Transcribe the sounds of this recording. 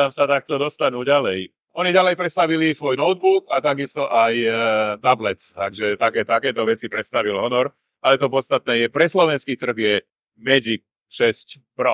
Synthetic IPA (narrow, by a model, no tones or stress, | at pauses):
amsat̪ak̚t̪ɔd̪ɔst̪anuːɟalɛj | ɔniɟalɛjpɾɛt̪st̪aʋilisʋɔjnɔʊd̪̚bukat̪aɡist̪ɔʔajt̪ablɛt͡st̪aɡʒɛt̪akɛːt̪akɛːt̪ɔʋɛt͡sipɾɛt̪st̪aʋilɦɔnɔɾ | alɛt̪ɔpɔt̪st̪at̪nɛːjɛpɾɛslɔʋɛnskiːt̪r̩ɣjɛ | mɛd͡zi | ʃɛsc | pɾɔ